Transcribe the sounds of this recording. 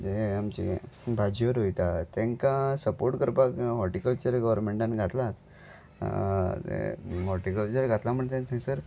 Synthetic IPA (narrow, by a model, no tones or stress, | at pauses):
d͡zeamt͡ɕḭbʱad͡ʑjʋəɾɦojt̪at̪ẽŋkasəpoɾʈkəɾpakɦɔɾʈikəlt͡ɕəɾɡəʋəɾmeɳʈãnɡʱat̪lat͡s | t̪ḛɦɔɾʈikəlt͡ɕəɾɡʱat̪lam̤əɳt̪ẽt̪ʰẽsəɾ